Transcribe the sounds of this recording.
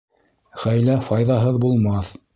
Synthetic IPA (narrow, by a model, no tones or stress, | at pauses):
ʁæjlæfɑjðɑɦɤðbulˠmɑθ